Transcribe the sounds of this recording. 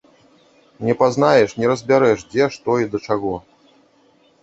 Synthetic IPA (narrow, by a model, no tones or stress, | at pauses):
nʲɛpazn̪ajɛʂnʲɛɾɐzʲbʲaɾɛʂd͡zʲɛʂt̪ɔid̪ɐt͡ʂaɣɔ